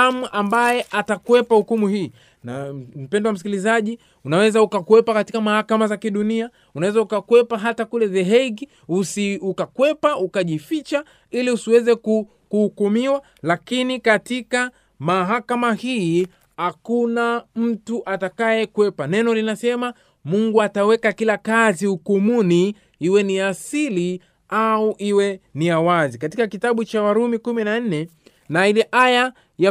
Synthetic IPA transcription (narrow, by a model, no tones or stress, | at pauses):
amuʔambajɛʔatakwɛpahukumuhiː | nam̩pɛndɔwam̩s̬i̥kilizaʄi | unawɛzaukakuwɛpakatikamahakamazakiɗunia | unawɛzaukakwɛpaɦatakulɛzɛɦɛɡi | usiukakwɛpaukaʄifit͡ʃa | iliusiwɛzɛku | kuhukumiwa | lakinikatika | maɦakamahiː | hakunam̩tuʔatakajɛkwɛpanɛnɔlinasɛma | muŋɡuatawɛkakilakaziukumuni | iwɛniasili | auʔiwɛniawazikatikakitaɓut͡ʃawaɾumikuminan̩nɛ | nailɛʔaja | ja